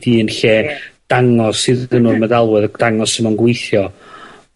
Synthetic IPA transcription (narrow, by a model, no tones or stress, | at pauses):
diːənɬed̥aŋɔsɨðənurmədalˠwɛðd̥aŋɔsəmɔnɡwejθjɔ